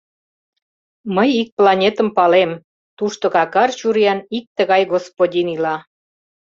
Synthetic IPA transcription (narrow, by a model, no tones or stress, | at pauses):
məjik̚plɑnʲet̪əmpɑlem | t̪uʃt̪okɑkɑrt͡ɕuɾjɑnik̚t̪əɣɑjɡospodʲinilɑ